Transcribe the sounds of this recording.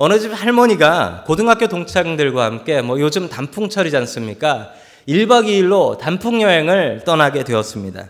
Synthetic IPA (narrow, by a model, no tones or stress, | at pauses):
ʌnɯd͡ʑiphaɭmʌɲiɡakodɯŋɦak͈jotoŋt͡ɕʰaŋdɯɭɡwahamk͈e̞mwʌjod͡ʑɯmtampʰuŋt͡ɕʰʌɾid͡ʑans͈ɯmɲik͈a | iɭbaɡiːɭːotampʰuŋjʌɦe̞ŋɯɭt͈ʌnaɡe̞dweʌs͈ɯmɲida̰